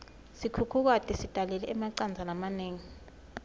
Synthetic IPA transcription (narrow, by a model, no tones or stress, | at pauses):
sikʰukʰuk̬atʰʼisid̥ʱalɛlɛʔɛmaǀand͡zʱanamaneːŋi